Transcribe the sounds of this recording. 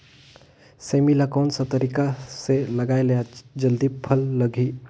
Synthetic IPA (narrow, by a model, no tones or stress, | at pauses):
semilakoːnsat̪əɾikaseləɡaːelejad͡ʒəld̪ipʰəlːəɡʱi